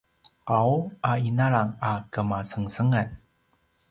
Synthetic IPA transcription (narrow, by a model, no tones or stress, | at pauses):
ʔawʔainaɭaŋakəmasəŋsəŋən